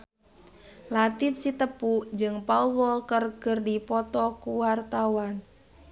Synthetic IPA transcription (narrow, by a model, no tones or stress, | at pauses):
lat̪ɪp̚sit̪əpud͡ʒɨŋpawɔlkərɡərdipɔt̪ɔkuwart̪awan